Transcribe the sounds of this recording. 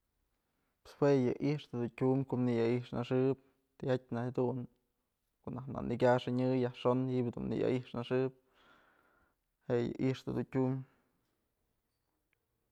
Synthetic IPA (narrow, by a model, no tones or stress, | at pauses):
pe̥swejɨʔiʂt̪ɨd̪untʲumkoʔnijaiʂnaʂɨp̚ | t̪ihat̚ʲnahad̪un | koʔnahna̰nʔikʲaʂɨɲɨjahʂonhibd̪ṵnːḭja̰ʔiʂnaʂɨp̚ | heʔjɨ̰ʔiʂt̪ɨd̪untʲum